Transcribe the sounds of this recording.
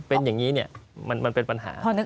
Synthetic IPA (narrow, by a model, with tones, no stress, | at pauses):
pe˧njaː˨˩ŋːiː˦˥ni˥˩ɐma˧nma˧npe˧npa˧nɦa̰ː˩˦pʰɔː˧nɯ˦˥